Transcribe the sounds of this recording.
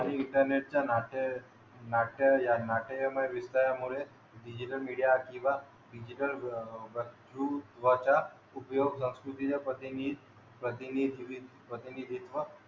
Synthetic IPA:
añiɪɳʈəɾneʈ̚t͡ɕanaʈe | naʈejanaʈemaʋist̪ajamuɾe | ɖid͡ʑiʈəlmiɽijakĩʋa | ɖid͡ʑiʈəlbəd̪ɾud̪ʋat͡ɕa | upjoɡsə̃wskɾut̪it͡ɕapət̪inid̪ | pɾət̪inid̪ʱiʋipɾət̪inid̪ʱit̪ʋə

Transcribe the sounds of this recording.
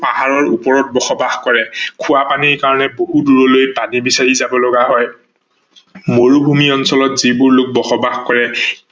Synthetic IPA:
paɦaɹɔɹupɔɹɔt̚bɔxɔbaxkɔɹɛkʰʊapaniɹkaɹɔnɛboɦuduɹɔlojpanibisaɹizabɔlɔɡaɦɔj | moɹubʱumiɔnsɔlɔtzibʊɹlʊk̚bɔxɔbaxkɔɹɛ

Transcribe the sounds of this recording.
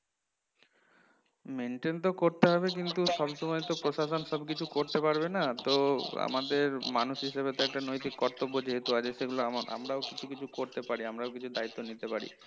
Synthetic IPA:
meɳʈent̪okoɾt̪eɦɔbek̬int̪uʃɔbʃɔmɔjt̪opɾoʃaʃonʃɔbkit͡ɕʰukoɾt̪epaɾbenat̪oa̰mad̪eɾmanuʃɦiʃebet̪ɔɛk̚ʈanojt̪ikːɔɾt̪obːod͡ʒeɦet̪uaeʃeɡuloamaʔa̰mɾaokit͡ɕʰukit͡ɕʰukoɾt̪epaɾiamɾaokit͡ɕʰud̪ait̪ːonit̪epaɾḭ

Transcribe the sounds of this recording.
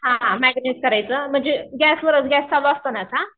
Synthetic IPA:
ɦãɦãmæɡneskəɾajt͡səːm̤əɳd͡zeɡæsləɾət͡sɡɛst͡saloast̪ənat͡sɦã

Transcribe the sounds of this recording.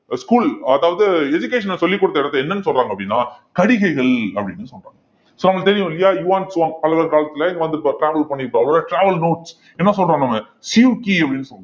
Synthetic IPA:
skuːlɐðaːʋɐðɯɛd͡ʒʊkːeːʂɐnsɔlːɪkːʊɽɯt̪ːɐɪɽɐt̪ːɛnːɐnːɯsɔlraːŋɡɐpːɐɽɪnːaːkɐɽɪɣɐɪɣɐɭɐpːɐɽɪnːɯsɔlra̰ːŋɡɐ | soːnɐmɐt̪ɛɾɪjʊ̃ɪlːɐjaːjuʋaːɳʈsʋaːŋɡɐpɐlɐɣɐɾkaːlɐt̪ːɪlɐɪŋɡɐʋɐnd̪ɯpʈɾaːʋɐlpɐɳːɪʈːãːɐlɐlaʈɾaːʋɐlnoːʈs | ɛnːɐsɔlraːnɐmːɐ | siukiːɐpːɐɽɪnːɯsɔl

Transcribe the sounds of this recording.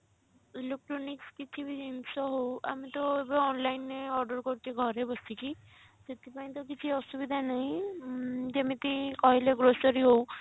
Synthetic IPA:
luk̚ʈɾɔnikskit͡ʃʰibʱiinsɔɦowa̰mit̪ɔebaɔnlainːeɔɾɖɔɾkɔɾt͡ʃ̪ʰiɡʱɔɾebɔsʰiki | t̪et̪ipaĩt̪̬ɔk̬it͡ʃʰiɔsubid̪ʱanaɦĩ | d͡ʒemit̪ikɔɦileɡɾosɔɾiɦow

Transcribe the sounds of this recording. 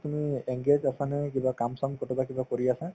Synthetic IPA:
tumieŋɡed͡ʒasanɛkibakamsɔmkɔtɔbakibakoɹiasa

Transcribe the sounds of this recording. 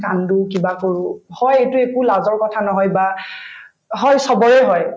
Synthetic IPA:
kandukibakoɹʊhɔjejtʊekulazɔɹkɔtʰanɔɦɔjba | ɦɔjsɔbɔɹɛɦɔj

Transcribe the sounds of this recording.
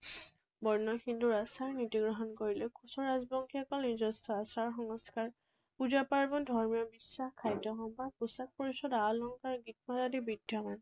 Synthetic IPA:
bɔɹnɔxinduɹasaɹnitiɡɹɔɦɔnkoɹilɛkʰusɔɹazbɔŋkʰiɔkɔlnizɔsɔasaɹxɔŋɔskaɹ | puzapaɹbɔndʱɔɹmijɔbisːaxkʰːajdɔɦɔmbakusak̚pɔɹisɔdalɔŋkaɹɡit̚mazadibidʱjaman

